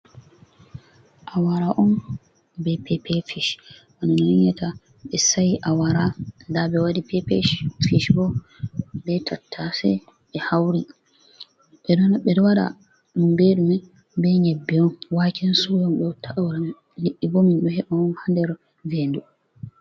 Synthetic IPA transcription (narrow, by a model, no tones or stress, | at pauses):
ʔawaɾaʔɔn | bɛpʰɛpɛfiʃʔanunniɲata | ɓɛsajiʔawaɾadabɛwadipɛpɛ̰ʃfiʃbɔ | bɛtʰatʰːasɛ̰ | ɓɛhawɾi | ɓɛdɔnɓɛdwaɗa̰ | ɗumbeɗumɛ | bɛɲebːɛɔnwakinsujɔmɓɛtʰːaʔawɾam | liʔːibominɗɔhɛɓɔɔnhandɛɾ | vendu